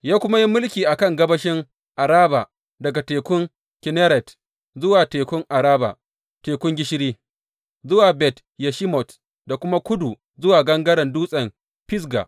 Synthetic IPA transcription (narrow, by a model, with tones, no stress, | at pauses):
jaː˦kʷʊ˦ma˦ji˦mʊ˦lkʲiː˨ʔa˨kɐ˦˨ŋɡɐ˦bɐ˦ʃɪ˦ŋ | ʔa˨ɾaː˦ba˨ | dɐ˨ɡa˨teː˨kʷʊ˦ŋ | kʲɪ˨nɛ˦ɾɛ˨t | zʊ˦waː˨teː˨kʷʊ˦ŋʔa˨ɾaː˦ba̰˨ | teː˨kʷʊ˦ŋɡʲɪ˦ʃɪ˦ɽiː˦ | zʊ˦waː˨bɛ˨t | ja˨ʃɪ˦mɔ˨t | da˨kʷʊ˦ma˦kʷʊ˦du˨ | zʊ˦waː˨ɡɐ˦ŋɡɐ˦ɽɐ˨nduː˦sʼɐ˨m | pɪ˦s̬ɡa̰˨ʔ